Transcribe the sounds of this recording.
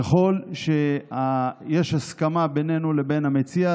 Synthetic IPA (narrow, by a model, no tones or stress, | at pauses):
aχo̞lʃe̞aje̞ʃhaskamabene̞nulebe̞namet͡sia